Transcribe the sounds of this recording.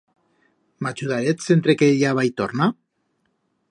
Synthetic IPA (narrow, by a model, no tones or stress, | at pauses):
mat͡ʃuðaɾesent̪ɾekeʎaβajt̪oɾna